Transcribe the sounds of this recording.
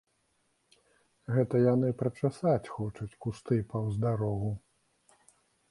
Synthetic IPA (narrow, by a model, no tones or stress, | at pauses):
ɣɛt̪ɐjanɨpɾɐt͡ʂasat͡sʲxɔt͡ʂɐt͡sʲkust̪ɨpɐwzd̪aɾɔɣu